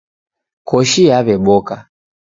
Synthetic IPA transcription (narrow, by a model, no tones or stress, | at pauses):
kɔʃiaβɛɓɔka